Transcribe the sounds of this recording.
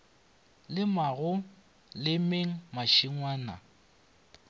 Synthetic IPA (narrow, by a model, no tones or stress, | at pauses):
lɪmaɣʊ | lɪmeŋ̩maʃiŋwaːna̰